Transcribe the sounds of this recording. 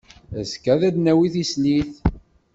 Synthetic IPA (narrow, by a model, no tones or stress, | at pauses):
æzkæðæd̪næwiθisniθ